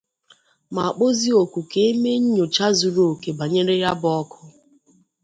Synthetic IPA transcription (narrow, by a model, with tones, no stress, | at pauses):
ma˨a˨k͡po˦zi˦o˨kʷu˨ke˦e˦me˦ɲ̩˦ɲo˨t͡ʃa˦zu˨ɾo˦˨ke˨ba˨ɲe˦ɾe˦ja˦bɔ˦kʰʊ˦